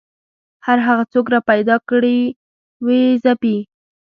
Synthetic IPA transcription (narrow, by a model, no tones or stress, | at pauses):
haɾɦaɣat͡sok̬ɾɑpajd̪ɑkɽi | wezapi